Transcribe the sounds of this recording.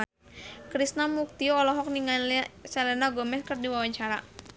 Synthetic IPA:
kɾisnamuk̚t̪iɔlɔɦɔk̚niŋasalɛnaɡɔmɛskərdiwawaɲt͡ʃaɾa

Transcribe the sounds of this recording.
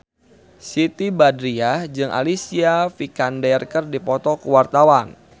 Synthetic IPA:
sit̪ibadɾiahd͡ʒɨŋʔa̰lisiafikandɛrkərdipɔt̪ɔkuwart̪awan

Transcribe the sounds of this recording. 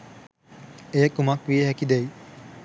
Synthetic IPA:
eːkumakʋieɦɛkid̪ej

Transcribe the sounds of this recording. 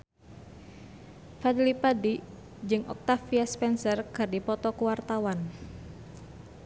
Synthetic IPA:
fadlipadi | d͡ʒɨŋʔɔ̰k̚t̪afiaspɛnsərkɨrdipɔt̪ɔkuwart̪awan

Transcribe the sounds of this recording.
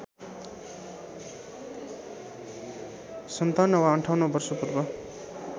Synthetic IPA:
sʌnt̪anʌwaʌɳʈʰawnʌbʌrsʌpurbʌ

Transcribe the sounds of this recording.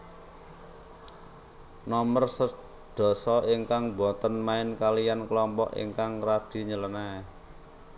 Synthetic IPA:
nɔmərsə | d̪̥ɔ̤sɔiŋkaŋbɔ̤t̪ənmaɪnkalijanklɔmpɔ̰ʔḭŋkaŋraɖ̥i̤ɲələna

